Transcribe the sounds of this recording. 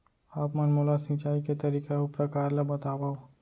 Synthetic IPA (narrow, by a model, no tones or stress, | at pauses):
aːpmɐnmoːlasɪ̃t͡ʃaːiket̪ɐɾiːkeʊpɾɐkaːɾlabɐt̪aːwao